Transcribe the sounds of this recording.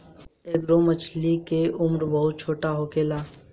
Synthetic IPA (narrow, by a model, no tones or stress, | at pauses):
eːɡɾoːmɐt͡ʃʰlikeʊmɾbɐɦʊt̪̚t͡ʃʰoːʈaɦoːkeːlaː